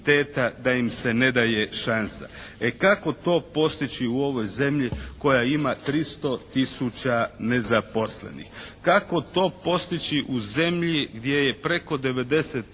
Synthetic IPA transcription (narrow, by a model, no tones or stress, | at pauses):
t̪eːt̪ad̪aimse̞ne̞d̪aje̞ʃansa̰ekako̞t̪o̞ːpo̞st̪it͡ɕiuo̞ʋo̞jze̞mʎiko̞jaimat̪ɾist̪o̞t̪isut͡ʃane̞zapo̞sle̞̰nḭxkako̞t̪o̞ːpo̞st̪it͡ɕiʔuze̞mʎiɡd̪je̞je̞pɾe̞ko̞d̪e̞ʋe̞d̪e̞set̪